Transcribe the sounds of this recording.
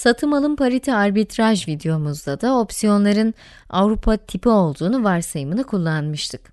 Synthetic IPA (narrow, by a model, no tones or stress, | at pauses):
sat̪ʰɯmalˠɯmpʰaɾit̪ʰiaɾbit̪ʰɾaʒvid̪ejo̞muzd̪ad̪ao̞psijo̞nlˠaɾɯn | a̰vɾupʰat̪ʰipio̞lˠd̪uːnuvaɾsajɯmɯnɯkʰulˠːanmɯʃt̪ʰɯk